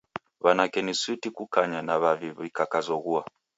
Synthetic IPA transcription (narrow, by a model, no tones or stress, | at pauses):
βanakɛniswitikukaɲanaβaviβikakazɔɣua